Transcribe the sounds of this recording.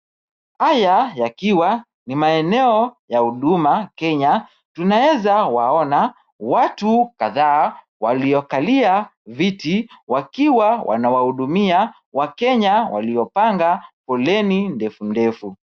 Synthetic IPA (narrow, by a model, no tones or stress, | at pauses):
hajajakiwa | nimaɛnɛɔjahuɗumakɛɲa | tunawɛzawaɔna | watukaðaː | waliɔkaliavitiwakiwawʔa̰nawahuɗumia | wakɛɲawa̰liɔpaŋɡapɔlɛnindɛfundɛfu